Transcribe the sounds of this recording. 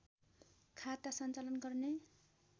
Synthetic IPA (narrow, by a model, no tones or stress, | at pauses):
kʰat̪asʌnt͡salʌnɡʌrne